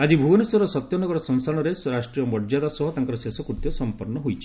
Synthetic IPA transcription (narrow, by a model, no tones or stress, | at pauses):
ad͡ʒibʱuɡɔneswɔɾɔsɔt̪jɔnɔɡɔɾɔsɔnsaɽ̃ɔɾesɾasʈɾiɔmɔɾd͡ʒad̪asɔɦut̪aŋkɔɾɔsesɔkuɾt̪jɔsɔmpɔɾnɔɦojt͡ʃʰi̥